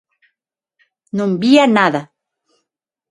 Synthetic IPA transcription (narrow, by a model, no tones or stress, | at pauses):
numbianaða